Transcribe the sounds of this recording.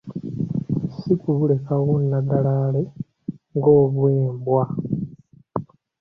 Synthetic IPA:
sikuβule̞kaɣunːaɡalaːle̞ | ŋɡo̞ːβweːmbwa

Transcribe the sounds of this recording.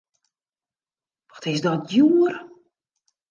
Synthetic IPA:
ʋɔ̥tɪs̬dɔtjuːr

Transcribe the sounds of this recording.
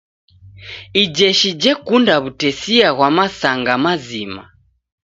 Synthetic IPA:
id͡ʒɛʃid͡ʒɛkundaβutɛsiaɣwamasaŋɡamazima̰

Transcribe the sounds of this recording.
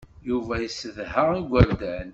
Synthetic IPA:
juvæjəsːəðhəiɡʷəɾd̪æn

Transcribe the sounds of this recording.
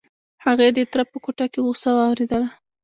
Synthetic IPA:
haɣed̪et̪ɾapəkoʈakeɣusawɑwɾed̪əla

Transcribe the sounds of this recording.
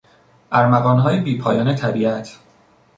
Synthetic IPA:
ʔæɾmæɣɒːnɦɒːjebiːpʰɒːjɒːnet̪ʰæbiːʔæt̪ʰ

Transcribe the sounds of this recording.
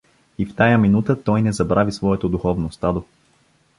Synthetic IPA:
ift̪ajaminut̪ət̪ɔjnɛzɐbɾavisvɔɛt̪od̪uxɔvnost̪ad̪o

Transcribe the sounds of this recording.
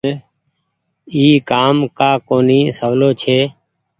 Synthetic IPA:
iːkaːmkaːkoːniːsəʋloːt͡ʃʰeː

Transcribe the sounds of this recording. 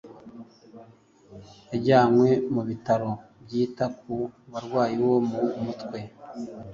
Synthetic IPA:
eɟaːmwe̞muβitaɾo̞bɟiːtak̚uβaɾɡwaːjiwo̞mumutkwe̞

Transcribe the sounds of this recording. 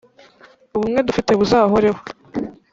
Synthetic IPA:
uβumŋe̞dufiteβuzaːɦoɾeho

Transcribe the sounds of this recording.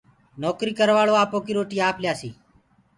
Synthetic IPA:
noːkɾiːkəɾʋaːɭoːaːpoːkiːɾoːʈiːaːpljaːsiː

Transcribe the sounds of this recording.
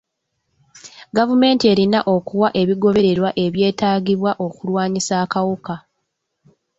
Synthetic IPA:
ɡavume̞ːntie̞ːɾinaʔo̞kuwaʔe̞βiɡo̞βe̞ɾe̞ɾwaʔe̞βje̞ːtaːɟiβwaʔo̞kulwaːɲisaːkawuka

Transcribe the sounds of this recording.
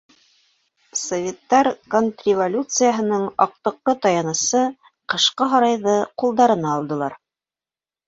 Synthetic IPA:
sovʲet̪ːɑɾkont̪rʲɪvolʲut̪sɨjaɦɤ̆nɤɴɑq̚t̪ɤ̆q̪ːˠɤt̪ɑjɑnɤ̆sɤ | qɤ̆ʃqɤɦɑɾɑjðɤqulˠd̪ɑɾɤ̆nɑːlˠd̪ɤ̆lˠɑɾ

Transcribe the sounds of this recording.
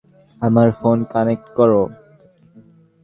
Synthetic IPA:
amaɾfonkanek̚ʈkɔɾo

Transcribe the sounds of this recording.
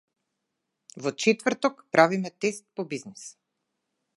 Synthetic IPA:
vɔt͡ʃɛt̪vəɾt̪ɔkpɾavimɛt̪ɛst̪̚pɔbiznis

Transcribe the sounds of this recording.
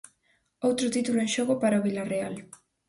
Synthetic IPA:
owt̪ɾʊt̪it̪uloenʃoɣʊpaɾaoβilareal

